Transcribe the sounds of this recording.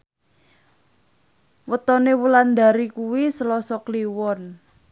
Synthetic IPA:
wət̪ɔnewuland̪a̤ɾikuwisəlɔsɔkliwɔn

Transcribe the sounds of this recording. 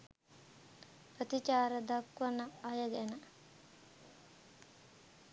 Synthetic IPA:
pət̪it͡ʃaːɾəd̪akʋənəajəɡɛnə

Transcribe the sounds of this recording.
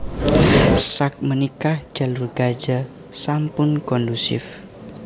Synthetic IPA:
sak̚mənikahd͡ʒ̥a̤lurɡ̥ad͡ʒa | sampʊnkɔndusɪ̰f

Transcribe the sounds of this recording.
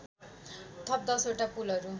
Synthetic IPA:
t̪ʰʌp̚d̪ʌsoʈapulʌɾu

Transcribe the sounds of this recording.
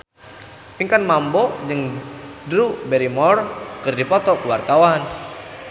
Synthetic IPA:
piŋkanmambɔd͡ʒɨŋdɾubɛɾimɔrkɨrdipɔt̪ɔkuwart̪awan

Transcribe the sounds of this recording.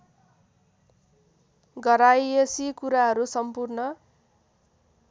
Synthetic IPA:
ɡʌɾajesikuɾaɦʌɾusʌmpurnʌ

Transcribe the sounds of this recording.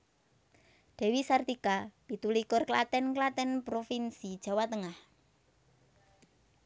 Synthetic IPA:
d̥ɛ̤wisart̪ikapit̪ulikʊrklat̪ɛnklat̪ɛnpɾofinsid̥ʒ̥a̤wat̪əŋah

